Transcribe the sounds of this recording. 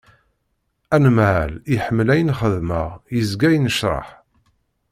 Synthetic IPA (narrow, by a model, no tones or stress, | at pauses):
ænəmʕæliħəmːlæjənχəðməʁjəzɡæjənəʃɾˤɑ̰ħ